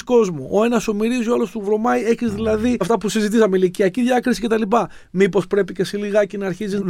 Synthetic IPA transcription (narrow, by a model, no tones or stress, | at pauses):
ko̞zmo̰ʔoe̞nɐso̞miɾizioɐlost̪uvɾo̞mɐie̞çizðilɐðiɐft̪ɐpusizit̪isɐmeiliciɐciðʝɐkɾisi̥ce̞t̪ɐlipɐ | mipo̞spɾe̞pice̞siliɣɐcinɐːɾçiziz